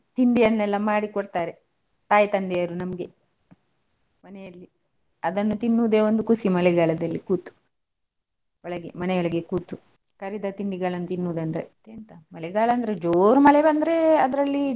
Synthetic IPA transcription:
t̪iɳɖijɐnːɛlːɐmaːɽikoɽt̪aːɾe | t̪aːjt̪ɐnd̪ejɐɾunɐmɐɡe̞ | mɐnɛjɐlːi | ɐd̪ɐnːut̪inːuːd̪eːond̪ukusimɐlɛɡaːɭɐd̪ɐlːikuːt̪u̥ | ɔɭɐɡemɐnejɔɭɐɡe̞kuːt̪u | kɐɾid̪ɐt̪iɳɖiɡaːɭɐnːut̪inːuːd̪ɐnd̪ɐɾḛt̪eːnt̪ɐmɐlɛɡaːɭɐːnd̪ɐɾed͡ʒoːɾmɐɭɛbɐnd̪ɐɾeɐd̪ɐɾɐlːi

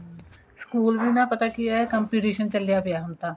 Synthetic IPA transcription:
skuːlbʱinapɐt̪akijaɦɛkɐ̃mpiːʈiːʃənt͡ʃɐlijabejaɦɐmt̪aː

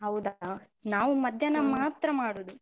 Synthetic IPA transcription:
ɦɐwud̪ɐɐ | naːʋumɐd̪ʱjɐnɐmaːt̪ɾɐmaːɽud̪u

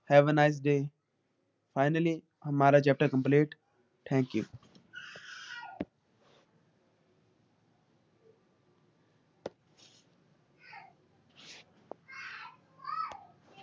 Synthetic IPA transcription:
hɛːʋənaɪs̬ɖeː | faɪnəli | həmaːɾat͡ʃɛp̚ʈəɾkə̃mpleːʈ | ʈʰɛ̃ːŋkju

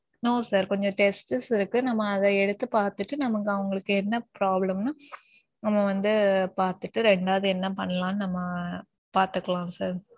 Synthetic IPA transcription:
noːsaːɾkɔɲd͡ʒɔ̃ʈɛsʈɯsɪɾɯkːɯnɐmːɐːðɐɛɽɯt̪ːɯpaːɾt̪ɯʈːɯnɐmɐkːɯɐʋɐŋɡɐɭɯkːɯɛnːɐpɾaːblɐmnɯ | nɐmːɐʋɐnd̪ɯpaːɾt̪ɯʈːɯɾɛɳɖaːðɯɛnːɐpɐɳːɐlãːnɯnɐmːɐ | paːɾt̪ɯkːɐɭãːsaːɾ

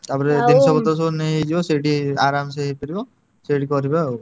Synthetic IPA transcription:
t̪apɔɾed̪insɔbɔt̪ɾɔs̬ɔbɔneɦed͡ʒibɔseʈiaɾams̬eɦepeɾibɔ | seʈikɔɾiba

